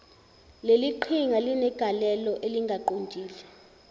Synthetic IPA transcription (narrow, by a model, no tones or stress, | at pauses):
leliǃʰiŋalinɛɡ̥ʱalɛlɔʔeliŋɡʱaǃontʼiːlɛ